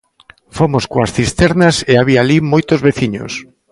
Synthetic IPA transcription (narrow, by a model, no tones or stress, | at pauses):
fomoskoasθist̪ɛɾnɐseaβ̞iaːlimojt̪ozβeθiɲo̰s